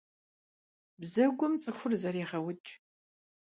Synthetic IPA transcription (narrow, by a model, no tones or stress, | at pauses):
bzɐɡʷʊmt͡sʼɨxʷʊrzɐɾeːʁɐwʊt͡ʃʼ